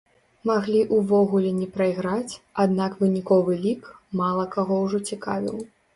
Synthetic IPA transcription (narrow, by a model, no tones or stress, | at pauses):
maɣlʲiʔuvɔɣulʲɛnʲɛpɾɐiɣɾat͡sʲad̪nakvɨnʲikɔvɨlʲikmalˠɐkaɣɔwʐɔt͡sʲika̰vʲḭw̪ˠ